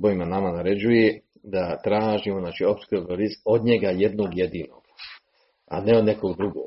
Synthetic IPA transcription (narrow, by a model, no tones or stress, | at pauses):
boimanamanaɾe̞d͡ʑuje | d̪at̪ɾaːʒimoznaːt͡ʃiopskioboɾiso̞d̪ɲe̞ɡaje̞d̪noːɡje̞d̪iːno̞̰ɡ̥ | a̰neod̪ne̞koɡd̪ɾuɡo̰ɡ